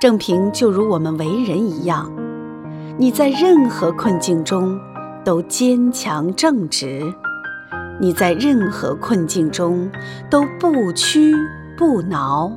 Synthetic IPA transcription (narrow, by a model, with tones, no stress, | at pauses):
ʈ͡ʂɤ˥˩ŋpʰi˧˥ŋt͡ɕjo˥˩ʊɻu˧˥wɔ˨˩mə˦nwe˧˥ɪɻə˧˥ni˧˥jɑ˥˩ŋ | ni˨˩t͡sa˥˧ɪɻə˥˩nxɤ˧˥kʰwə˥˧nt͡ɕi˥˩ŋʈ͡ʂʊ˥ŋ | t̪o˥ʊt͡ɕjɛ˥nt͡ɕʰjɑ˧˥ŋʈ͡ʂɤ˥˩ŋʈ͡ʂɻ̩˧˥ | ni˨˩t͡sa˥˧ɪɻə˥˩nxɤ̰˧˥kʰwə˥˧nt͡ɕi˥˩ŋʈ͡ʂʊ˥ŋ | t̪o˥ʊpu˥˩t͡ɕʰy˥ | pu˥˩nɑ˧˥ʊ